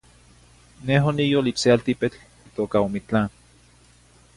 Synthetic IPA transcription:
neɦonijolit͡ʃsealt̪ipet͡ɬ | it̪oːkaomit͡ɬan

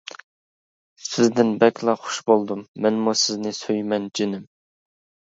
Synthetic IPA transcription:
sɪzd̪ɪnbɛkʲlˠɑχʊ̥ʃbolˠd̪umːɛnmusɪznɪsøjmɛnd͡ʒinɪm

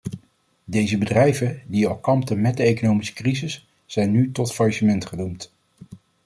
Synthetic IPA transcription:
dejzəbədrɛjvəndiɑlˠkɑmptənmɛdəejkonowmisə̥krizɪsː | ɛjnːytɔtfɑɹʃəmɛntχənumt

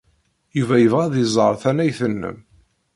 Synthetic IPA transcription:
juvæjəvʁæðizˤəɾˤθænæjθənːə̰m

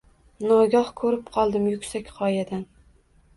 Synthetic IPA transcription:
nɒɡʲɒhkʰɵɾɪpqʰɒlˠd̪ɪmjʊkʲsakʲqʰɒjad̪an

